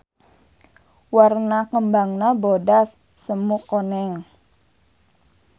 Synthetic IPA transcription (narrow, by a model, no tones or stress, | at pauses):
warnakəmbaŋnabodasː | əmukonɛŋ